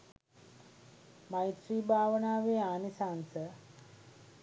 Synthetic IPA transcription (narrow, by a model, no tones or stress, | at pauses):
majt̪ɾiːbʱaːʋənaːʋeːaːnisansə